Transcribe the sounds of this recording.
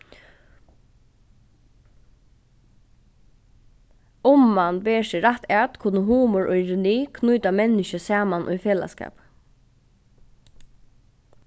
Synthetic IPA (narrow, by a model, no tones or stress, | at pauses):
ʊmːanbeːʃɪɾaht̪ɛt̪kʰʊnəɦuːmɔɹʔɔʏɾɪniːkʰnujt̪amɛnɪʃəsaːmanʔʊ̰jfeːla̰ska̰ːp